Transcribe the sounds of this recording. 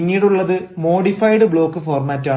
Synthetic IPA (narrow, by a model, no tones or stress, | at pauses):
ŋːiːɽuɭːɐðɨ | mo̞ːɽifɐjɽɨbɭo̞ːkːɨfoːrmaːtːaː